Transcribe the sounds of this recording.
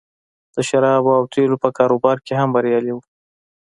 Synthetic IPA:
d̪̥əʃaɾɑbawt̪ʰelopəkɑɾobɑɾkeɦambaɾjɑliwu

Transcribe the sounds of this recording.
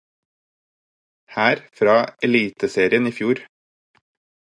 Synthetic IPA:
hæːɾfɾɑːɛliːt̪əseːɾɪəniːfjuːɾ

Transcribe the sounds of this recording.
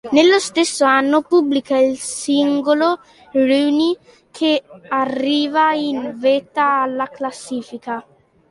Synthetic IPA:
nelːost̪esːoanːopublikailsiŋɡolo | ɾuni | kʰearːiːvainvet̪aːlːaklasːiːfika

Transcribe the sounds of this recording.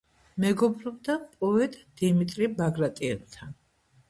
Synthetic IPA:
mɛɡɔbɾɔbd̪apʼɔɛt̪ʼd̪̥imit̪ʼɾibaɡɾat̪ʼiɛ̰bt̪ʰan

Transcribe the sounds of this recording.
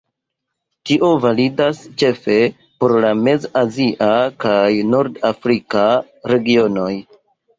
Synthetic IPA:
tiʔo̞validast͡ʃe̞fe̞ | po̞ɾlame̞zaziʔakajnoɾdafɾika | ɾe̞ɡio̞no̞j

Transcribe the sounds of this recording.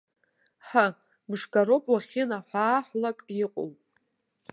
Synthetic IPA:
ħa | bɨʂɡaɾopʼwaχʲɪnaħʷaːħʷlakʼjɪqʷʼo̰wʼ

